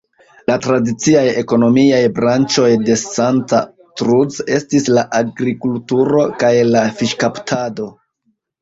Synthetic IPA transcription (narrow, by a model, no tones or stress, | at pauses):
latɾadit͡siaje̞ko̞no̞miajbɾant͡ʃo̞jde̞santa | tɾuze̞stislaʔaɡɾikultuɾo̞kajlafiʃkaptʰado̞